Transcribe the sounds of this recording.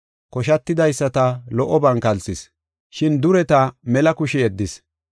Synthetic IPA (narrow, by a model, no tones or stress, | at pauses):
kɔʃ̬ɐt̪ːɪd̪ɐjsːɐt̪ɐlɔʔɔbɐŋkɐlsɪs | ʃɪnd̪ʊɾɛt̪ɐmɛlɐkʊʃɪɛd̪ːɪs